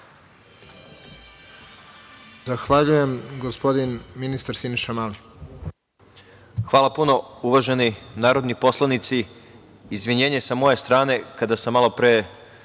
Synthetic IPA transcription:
zaxʋaʎujemɡospod̪inminist̪aɾsiniʃamali | xʋaːlˠapuno̞uʋaʒeninaːɾo̞d̪nipo̞slˠanit̪siː | zʋiɲe̞ːɲesamo̞je̞st̪ɾaːne̞kad̪asamːalˠo̞pɾe

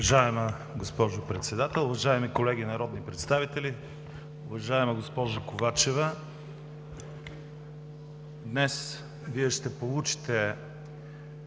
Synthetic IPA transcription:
ɐʒaɛmə | ɡospɔʒopɾɛt̪sɛd̪at̪ɛlˠʊvɐʒaɛmikolɛɡʲinɐɾɔd̪nipɾɛt̪st̪avit̪ɛli | ʊvɐʒaɛmɐɡospɔʒɐkovat͡ʃɛvə | d̪nɛs | viɛʃt̪ɛpolˠut͡ʃi̥t̪ɛ

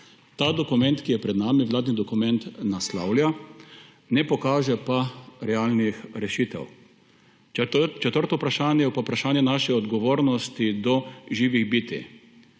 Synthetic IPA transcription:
t̪aːd̪ɔkumɛ̃nt̪kijɛpɾɛd̪naːmiʋlaːd̪nid̪ɔkumɛnt̪nasla̰wlja | nɛpɔkaːʒɛpaɾɛaːlnixɾɛʃiːt̪ɛ̰w | t͡ʃɛt̪əɾt̪ɔupɾaʃaːnjɛjɛpapɾaʃaːnjɛnaːʃɛɔd̪ɡɔʋoːɾnɔst̪id̪ɔʒiːʋiɣbiːt̪ḭ

